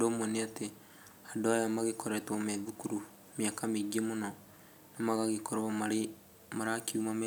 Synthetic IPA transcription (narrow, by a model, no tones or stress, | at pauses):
domoneate | adoajamaɣekɔɾɛtomɛðukuɾu | miakameɡemonɔ | namaɣaɣekoɾamaɾe | maɾakiumame